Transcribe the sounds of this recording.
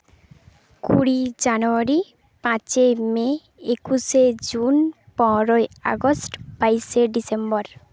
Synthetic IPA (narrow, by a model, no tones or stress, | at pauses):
kuɽid͡ʑanuaɾi | pãt͡ɕeme | ekuʃed͡ʑunpɔ̃ɾoea̰ɡosʈb̥ajseɖisembɔɾ